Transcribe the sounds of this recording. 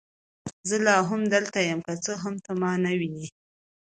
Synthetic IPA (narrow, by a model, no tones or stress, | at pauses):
zəlɑɦʊmd̪əlt̪ajamkat͡səɦamt̪amɑnawini